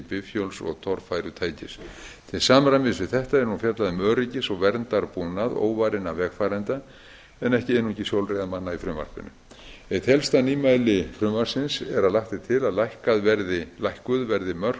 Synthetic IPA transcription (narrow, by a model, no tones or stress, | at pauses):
pɪvfjowlsɔ̰ɣt̪ʰɔɾ̥fajɾʏt̪ʰaːjcɪst̪ʰɪsaːmɾajmɪsvɪðθɛht̪aɛɾnhunfjat̪laðɪmœːɾɪcɪsɔɣvɛɾnt̪aɾpuːnaðo̰ːwvaːɾɪnavɛɣfaːɾɛnt̪a | ɛnɛhcɪeːnũɛcɪsjowlrejɣðamanːaifɾʏmva̰r̥pʏ̰nːʏ̰ | ɛt̪hɛlst̪aniːmajlɪfɾʏːmvar̥sɪnsɛɾaðlaxt̪ɪt̪ʰɪlaðlajhkaðvɛɾðɪlajhkʏðvɛɾðɪmœr̥k